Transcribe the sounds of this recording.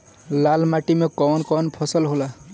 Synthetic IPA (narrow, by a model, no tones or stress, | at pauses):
lalmaʈimekɔnkɔnpʰɔsʌlɦola